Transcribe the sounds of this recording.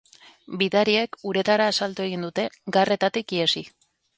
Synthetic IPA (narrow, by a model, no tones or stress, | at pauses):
biðaɾie̞kuɾe̞t̪aɾaːsalt̪ue̞ɣ̞ind̪ut̪e̞ɡare̞t̪at̪ikiesi